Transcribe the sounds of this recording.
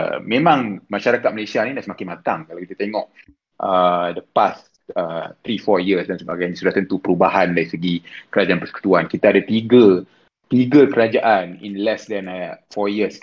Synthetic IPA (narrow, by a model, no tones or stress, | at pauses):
mẽmãŋmaʃaɾakat̪̚məlesianidaʔsəmakɪnmat̪aŋkalawkit̪at̪eŋɔʔ | ʔədəpas | ət̪ɾifɔjiəsdansəbaɡajnisudat̪ənt̪upəɾubaɦandaɾisəɡikəɾad͡ʒanpəsə̥ku̥t̪uankit̪aːdat̪iɡə | t̪iɡəkəɾad͡ʒaʔanḭnlɛsdɛnfɔjiəs